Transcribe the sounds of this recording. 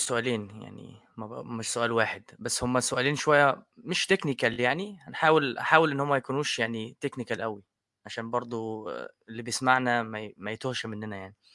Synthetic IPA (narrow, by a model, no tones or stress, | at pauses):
soʔæːleːnja̰ʕnḭ | mæmeʃsoʔæːlwaːħed̪bæsːhomːæsoʔæːliːnʃowæjːæmeʃt̪eknikæljaʕnihænħaːwelʔaħaːwelʔenːhomːæjækuːnuːʃjaʕnit̪eknikælʔæwi | ʕaʃæːnbɑɾˤd̪ˤo | elːibejesmaʕnæmæmæjet̪ohʃæmenːænæjaʕni